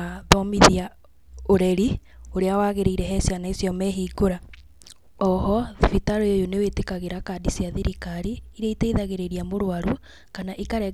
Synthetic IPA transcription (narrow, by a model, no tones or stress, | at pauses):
ðɔmiðia | oɾɛɾioɾeawaːɣeɾeiɾɛɦɛsjanaesjɔmɛɦiːɡoɾa | ɔhɔvitaɾojejonewetekaɣeɾakadisiaðiɾikaɾiːɾeiteiðaɣeɾeɾiamoɾowaɾu | kanaʔikaɾɛ